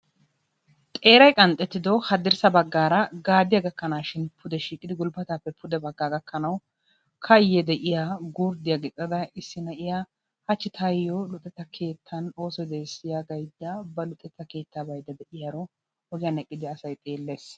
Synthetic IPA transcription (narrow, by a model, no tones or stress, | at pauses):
t̪ʼe̞ːɾɐjkʼɐnt̪ʼːɛt̪ːɪd̪ɔhɐd̪ɪɾsɐbɐɡːaːɾɐɡaːd̪ɪjaɡɐkːɐnaːʃɪnpʰʊd̪ɛʃiːkʼːɪd̪ɪɡʊlbɐt̪aːpːɛpʰʊd̪ɛbɐɡːaːɡɐkʰːɐnɐw | kʰɐjːɛd̪ɛʔɪjaːɡuːɾd̪ɪjaɡɛkʼːɐd̪ɐɪsːɪnɐʔɪja | hɐt͡ʃːɪt̪ʰajːɔlʊt̪ʼːɛt̪ːɐkʰe̞ːt̪ʰːɐno̞ːsɔd̪eːsɪjaɡɐjd̪ːɐbɐlʊt̪ʼːɛt̪ːɐke̞ːt̪ːaːbɐjd̪ɐd̪ɛʔɪjaːɾɔ | ɔɡɪjanɛkʼːɪd̪ɪɐsɐjt̪ʼe̞ːlːe̞ːs